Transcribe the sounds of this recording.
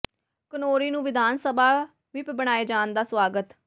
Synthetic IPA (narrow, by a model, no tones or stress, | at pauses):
kənoːɾiːnũːʋɪd̪ʱaːnsəbaː | ʋɪpbəɽ̃aːeːd͡ʒaːnd̪aːsʋaːɡət̪